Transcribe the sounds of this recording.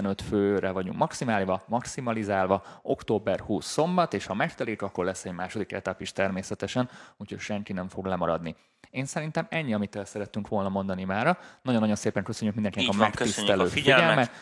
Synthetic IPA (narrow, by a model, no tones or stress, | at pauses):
ɛnø̞t̪føːrɛvɒɟṵŋkmɒksimaːlvɒmɒksimɒlizaːlvɒo̞kt̪oːbɛrhuːsːo̞mbɒt̪eːʃhɒmɛʃt̪ɛleːkɒkːo̞rlɛsːɛɟmaːʃo̞d̪ikɛ̰t̪apiʃt̪ɛrmeːsɛt̪ɛʃɛnuːchocʃɛŋkinɛɱfo̞ɡlɛmɒɾɒ̰d̪ni | eːnsɛɾint̪ɛmɛɲːiɒmit̪ːeːlsɛɾɛt̪ːyŋkʋo̞lnɒmo̞nd̪ɒnimaːɾɒnɒɟonːɒɟo̞nseːpɛŋkø̞søɲːykmind̪ɛŋkinɛɒmɛkt̪isɛløːfifɛɟɛlmɛt̪